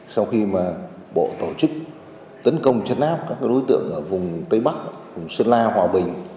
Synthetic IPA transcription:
sa˧wxi˧maː˨˩ | ɓo̰˧˨t̪o˧˩t͡ɕɨ˦˥k̚ | t̪ə˨˦nkə˧wŋ͡mt͡ɕə˧˥n̚ʔaː˦˥p̚kaː˦˥k̚ːa˨˦ɗo˨˦jt̪ɨ̰˧˨əŋʔəː˧˩vʊ˨˩ŋ͡mt̪ə˨˧jɓa˦˥k̚ | vʊ˨˩ŋ͡msɨ˧nlaː˧hwaː˨˩ɓï˨˩ŋ̟

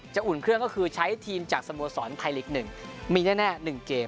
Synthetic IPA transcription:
t͡ɕa˨˩ʔu˨˩nkʰɾɯ˥˩əŋkɔ˥˩kʰɯː˧t͡ɕʰa˦˥jt̪ʰiː˧mt͡ɕaː˨˩k̚sa˧mu˧sɔː˩˦nt̪ʰa˧jle˨˩k̚nɯ˨˩ŋmiː˧nɛː˥˩nɛː˥˩nɯ˨˩ŋkeː˧

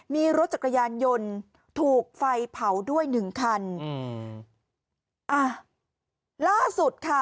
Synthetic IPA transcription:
miː˧ɾo˦˥t̪̚t͡ɕa˨˩ka˧jaː˧njo˧n | t̪ʰuː˨˩k̚fa˧jpʰa˩˦wdu˥˩əjnɯ˨˩ŋkʰa˧n | ʔa˧˩ | laː˥˩su˨˩t̪̚kʰa˥˩

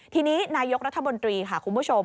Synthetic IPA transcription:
t̪ʰiː˧niː˦˥naː˧jo˦˥k̚ɾa˦˥t̪ʰːa˧mo˧nt̪ɾiː˧kʰa˥˩kʰu˧nmbuː˦˥t͡ɕʰo˧m

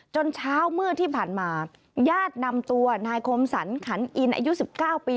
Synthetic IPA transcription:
t͡ɕo˧nt͡ɕʰaː˦˥wmɯ˥˩ət̪ʰiː˥˩pʰaː˨˩nmaː˧ | jaː˥˩t̪̚na˧mt̪u˧ɐnaː˧jkʰo˧msa̰˩˦nkʰa˩˦nʔi˧nʔa̰ː˧ju˦˥si˨˩p̚kaː˥˩wpiː˧

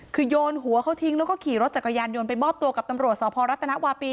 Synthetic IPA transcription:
kʰɯː˧joː˧nɦu˨˩˦əkʰa˦˥wt̪ʰi˧˥ŋlːkɔː˥˩kʰiː˨˩ɾo˦t̪̚t͡ɕa˨˩kʰːa˧jaː˧njo˧npa˧jbɔː˥˩p̚t̪u˧əka˨˩p̚t̪a˧mɾu˨˩t̪̚sɔː˩˦pʰɔː˧ɾa˦˥t̪ʰːa˧na˦˥ʔwaː˧piː˧

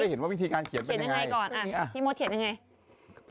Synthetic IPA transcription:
a˥˩jhe˩˦nwaː˥˩wi˦˥t̪ʰiː˧kaː˧nkʰi˨˩˦t̪npːnɲaɲ˧ŋŋa˧jkɔː˨˩nʔa˧˨˩i˧moː˧˥kʰt̪ja˧ŋa˧j

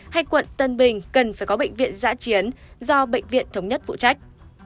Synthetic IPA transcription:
ha˧jkwə̰˧˨nt̪ə˧nɓï˨˩ŋ̟kə˨˩nfaː˧˩jkɔ˨˦ɓḛ˧˨jŋ̟vḭ˧˨ənza̰ː˧˥t͡ɕi˨˦ənzɔ˧ɓḛ˧˨jŋ̟vḭ˧˨ənt̪ʰə˨˦wŋ͡mɲə˦˥t̚fṵ˧˨t͡ɕa˦˥jk̟̚

